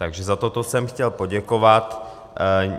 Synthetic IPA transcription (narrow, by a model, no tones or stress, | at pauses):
t̪aɡʒɛzat̪ot̪osɛmxcɛlpo̞ɟɛkovat̪